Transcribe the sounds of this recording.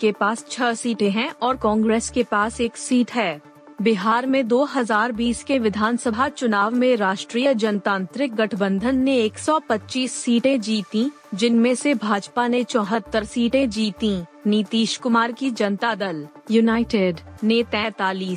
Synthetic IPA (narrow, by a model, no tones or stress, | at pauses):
kepaːst͡ʃʰɐsiːʈẽɦɛ̃ʔɔːɾkɔ̃ːŋɡɾeːskepaːseːksiːʈɦɛː | bɪɦaːɾmẽd̪oːɦɐzaːɾbiːskeʋɪd̪ʱaːnsəbʱat͡ʃʊnaːʋmẽɾaːʃʈɾiːjəd͡ʒɐnt̪ãːnt̪ɾɪk̚ɡɐʈʰbə̃nd̪ʱənːẽeːksɔːpɐtːt͡ʃiːsːiːʈẽd͡ʒiːt̪ĩ | d͡ʒɪnmẽsebʱaːd͡ʒpanẽt͡ʃɔ̃ːɦət̪ːəɾsiːʈẽd͡ʒiːt̪ĩniːt̪iːʃkʊmaːɾkid͡ʒɐnt̪ad̪əl | junaːɪʈeɖneːt̪ɛ̃ːt̪aːliːs